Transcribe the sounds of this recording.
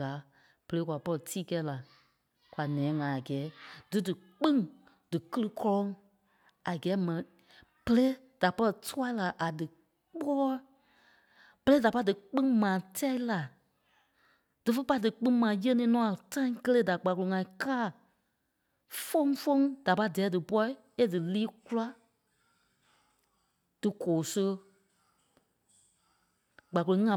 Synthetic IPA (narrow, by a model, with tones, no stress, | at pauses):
aː˨˦ | b̥ə˨leː˨˦kʷwa˨pɔ˧˦ə˨tʰiː˦kɛ˧˦la˨ | kʷwa˨nɛ̃ː˨˦ŋã˨a˨ɡɛː˨˦d̥ɨ˨˦dɨ˨ | k͡pĩ˦ŋ | d̥ɨ˨kə˦lɨ˦kɔ˧lɔ̃˧˦ŋ | a˨ɡɛː˨˦mɛ̃˨nĩ˨ | b̥ə˧le˦ | d̥a˨pɔ˦lə˧tʰu˦a˦la˨ʔa˨dɨ˨ | k͡pɔ˦ɔ˦ | b̥ə˨leː˦da˨pa˧˦dɨ˨k͡pĩ˦ŋmãː˨tɛ˦i˦la˨ | d̥ɨ˨fə˦pa˧˦dɨ˨k͡pĩ˦mã˨jə˦nĩː˧˦nɔ̃˦a˨tã˦ĩ˦kə˦le˦da˨ɡ͡ba˨ku˨o˨ŋã˨ĩ˨kaː˦˨ | fõ˦ŋ˦fõ˦ŋd̥a˨pa˧˦dɛː˨˦dɨ˨pɔ˧˦i˦ | e˦dɨ˨liː˦ku˦la˦ | d̥ɨ˨koː˨so˧ | ɡ͡ba˨klo˨˧˦ŋã˨